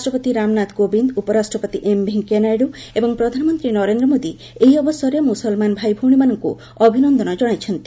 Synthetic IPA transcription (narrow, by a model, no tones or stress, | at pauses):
asʈɾɔpɔt̪iɾamnat̪kobind̪upɔɾasʈɾɔpɔt̪iʔembʱiŋkenajɖuebɔŋpɾɔd̪ʱanɔmɔnt̪ɾinɔɾend̪ɾɔmod̪i | eɦjɔbɔsɔɾjemusɔlmanbʱajbʱuwɽ̃imanɔŋkṵ | ɔbʱinɔnd̪ʱɔnɔd͡ʒɔɽ̃ajt͡ʃʰɔnt̪i̥